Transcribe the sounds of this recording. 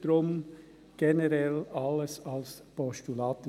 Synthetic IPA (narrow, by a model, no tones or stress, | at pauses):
ɾʊm | ɡ̥ɛnəɾɛlɑləsɑlspɔstulɑːt̪ə